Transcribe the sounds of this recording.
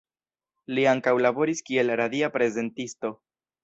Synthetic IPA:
liaŋkawlabo̞ɾiskie̞lɾad̪iapɾe̞ze̞ntisto̞

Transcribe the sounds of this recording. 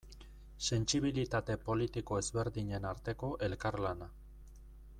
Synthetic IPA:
se̞nsiβilit̪at̪e̞po̞lit̪iko̞e̞zβe̞ɾðiɲe̞naɾt̪e̞ko̞ʔe̞lkaɾlana

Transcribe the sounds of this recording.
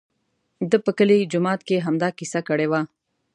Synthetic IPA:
d̪əpəkəlid͡ʒʊmɑt̪keɦamd̪ɑkisakəɽewa

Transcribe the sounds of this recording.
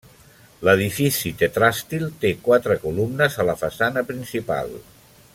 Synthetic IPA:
ləð̞ifisit̪et̪ɾast̪ilˠt̪ekwat̪ɾəkulumnəzələfəsanəpɾinsipa̰lˠ

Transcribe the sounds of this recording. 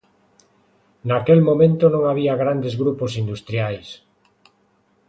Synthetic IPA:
nakelmomẽnt̪onõŋaβ̞iaɣɾand̪ezɣɾuposind̪ust̪ɾiajs

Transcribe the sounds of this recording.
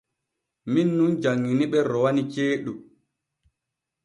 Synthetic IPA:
minːund͡ʒaŋːiniɓɛɾɔwanit͡ʃeːɗu

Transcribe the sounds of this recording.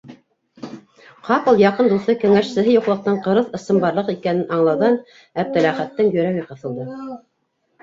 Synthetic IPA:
qʰɑpɤlˠjɑqɤnd̪uθɤkɘ̆ŋæʃsɘ̆ɦɘjuqlˠɤ̆q̚t̪ɤɴqɤ̆ɾɤðɤ̆sɤmbɑɾlˠɤqikænɘnʔɑɴlˠɑwðɑn | æp̚t̪æ̆læχæt̪ːɘŋjɵ̆ɾæɣɘqɤ̆θɤ̆lˠd̪ɤ

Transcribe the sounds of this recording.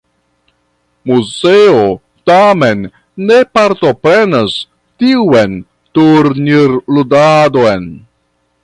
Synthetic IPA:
muzeo | tame̞nː | e̞paɾto̞pɾe̞nas | tiwen | tuɾniɾludadoen

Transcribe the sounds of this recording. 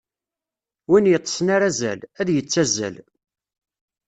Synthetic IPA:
winjət̪ˤːsnaɾæzæ̰læðjət͡sːæzæ̰l

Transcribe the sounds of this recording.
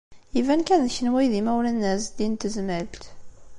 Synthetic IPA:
jivænkænðçənwæjðimæwlænːæsd̪int̪əzməlt̪

